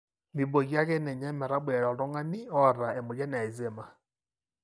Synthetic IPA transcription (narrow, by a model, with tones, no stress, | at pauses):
mi˨bo˨ɣi˦a˦ɣɛ˦nɛ˨ɲa˦mɛ˨ɾa˦ɓɛ˨ɾɔ˨ɾɔ˦ŋa˦ni˦ɔ˦˨ɾa˨ɛ˨mu˨d͡ʒa˦n˨a˨i˨zɛ˦˨ma˦